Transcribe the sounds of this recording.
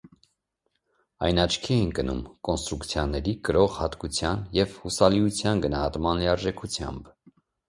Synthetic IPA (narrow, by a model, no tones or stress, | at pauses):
ɑjnɑt͡ʃʰkʰiɛjnkənṵmkɔnst̪ɾukt͡sʰjɑnːɛɾikəɾɔʁhɑt̪kut͡sʰjɑnjɛvhusɑliut͡sʰjɑnɡənɑhɑt̪mɑnliɑɾʒɛkʰut͡sʰjɑ̰mb